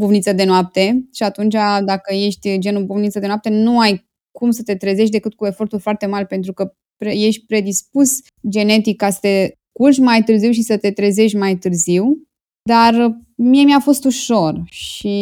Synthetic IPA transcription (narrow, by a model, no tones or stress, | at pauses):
buvnit̪səd̪e̞noap̚t̪e̞ʃiat̪unt͡ʃad̪akəje̞ʃt̪ʲd͡ʒe̞nubuvnit̪səd̪enoap̚t̪e̞nuaj | kumsət̪e̞t̪ɾeze̞ʃ̬t̪̬d̪e̞kɨt̪̚kue̞fo̞rt̪ulʲfoart̪e̞malʲpe̞nt̪̬ɾukə | pɾeje̞ʃt̪̚ʲpɾe̞d̪ispus | d͡ʒe̞ne̞t̪ikːasə̥t̪e̞ | kurʒmajt̪ɨrziwʃisət̪e̞t̪ɾeze̞ʃʲmajt̪ɨrziw | d̪ar | mie̞mjafo̞st̪uʃo̞rʃi